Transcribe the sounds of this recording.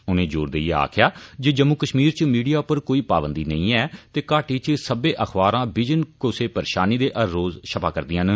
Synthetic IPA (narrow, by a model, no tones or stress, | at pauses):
ʊnẽːd͡ʒoːɾd̪eiea̰ːkʰɪjaːd͡ʒeːd͡ʒəmːukəʃmiːɾt͡ʃmiːɖijaːpəɾkoːiːpaːbənd̪iːnəĩːɛːt̪eːkaːʈiːt͡ʃsəbeːʔəxʰbaːɾãːbɪd͡ʒənkʊseːpəɾeːʃaːniːd̪eːʔəɾːoːzʃʰəpaːkəɾd̪iːãːn